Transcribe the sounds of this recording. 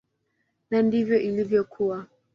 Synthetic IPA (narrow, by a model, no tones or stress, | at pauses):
nandivjɔʔilivjɔkʰuwa